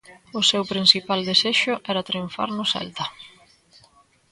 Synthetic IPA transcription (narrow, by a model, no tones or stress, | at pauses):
ʊsewpɾinsipald̪eseʃʊʔɛɾat̪ɾiuɱfa̰ɾnʊsɛ̰lt̪ɐ